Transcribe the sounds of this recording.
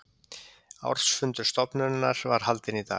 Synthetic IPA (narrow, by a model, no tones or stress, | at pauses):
a̰wɾ̥sfʏnt̪ʏɾ̥st̪ɔpnʏnːaɾ̥vaɾ̥ɦalt̪ɪnit̪a̰ː